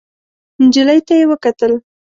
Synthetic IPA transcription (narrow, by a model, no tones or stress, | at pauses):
nd͡ʒiləjt̪ajewəkat̪əl